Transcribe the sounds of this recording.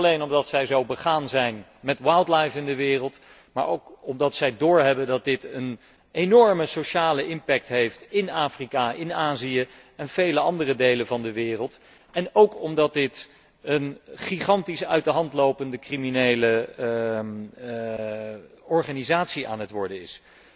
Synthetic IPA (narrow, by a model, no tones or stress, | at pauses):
lejnɔmdɑtsɛjzowbəχaːnzɛjn | mɛtwajlˠtlajfɪndəʋɪːrəlˠt | ma̰ːɹowkɔmdɑtsɛjdʊːɹɦɛbəndɑt̚dɪtən | enɔɹməsoʃaːləɪmpɛk̚tɦejftɪnaːfrikaʔɪnaːziə | ɛnv̥ejləɑndərədejlənvɑndəʋɪːrəlˠt | ɛnowkɔmdɑt̚dɪt | ənχiχɑntisœ̰ɥtdəɦɑntlowpəndəkriminejlə | ɔɹχaːnizaːtsiʔa̰ːnɦətʋɔɹdəɪ̰s